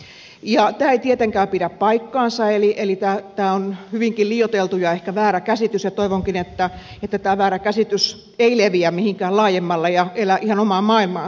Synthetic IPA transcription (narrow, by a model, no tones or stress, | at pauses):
jɑt̪æːeit̪iet̪eŋkæːpiɾæppɑikːɑːnsɑeliʔelit̪æːt̪æːonhyʋiŋkilliːjot̪elt̪ujɑehkæʋæːɾækæsit̪ysjɑt̪oiʋoŋkinet̪ːæ | et̪ːæt̪æːʋæːɾækæsit̪ys | eileʋiæmmihiŋkæːlɑːjemːɑlːɑjɑelæʔihɑnomɑːmɑːilmɑː